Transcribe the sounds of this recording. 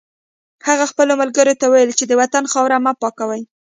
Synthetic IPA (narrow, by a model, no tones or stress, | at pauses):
haɣaxpəlomalɡəɾot̪awajəlt͡ʃed̪əwat̪anxɑwɾamapɑkawaj